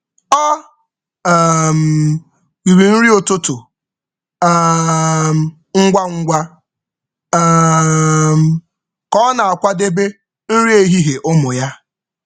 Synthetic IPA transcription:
ɔ˦ | m̩˨ | wi˨ɾi˨n̩˦ɾi˦o˨tʊ˦tʊ˨˦ | m̩˨ | ŋ̩˦ɡʷa˦ŋ̩˦ɡʷa˦ | m˨ | kɔ˦na˨a˨kʷa˦de˦be˦ | n̩˦ɾi˦e˦ɦi˦ɦe˨ʔʊ˦mʊ˨ja˦

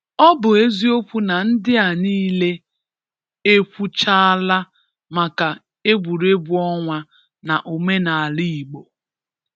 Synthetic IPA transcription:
ɔ˦bʊ˨e˦zi˦o˦kʷu˦na˨n̩˦dɪ˦a˨niː˦le˦ | e˦kʷu˦t͡ʃa˦a˦la˦ | ma˨ka˨ | e˦ɡʷu˨ɾe˦bu˦ɔ˦ŋʷa˦ | na˨ʔo˨me˦na˨a˨li˦i˨ɡ͡bo˨

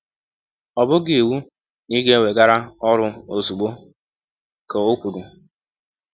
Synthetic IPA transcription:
ɔ˨bʊ˦ɡɪ˨e˨wu˦ | ni˦ɡe˦we˨ɡa˦ɾa˦ɔ˦ɾʊ˦o˨su˨ɡ͡bo˦ | ko˨o˦kʷu˨ɾu˨

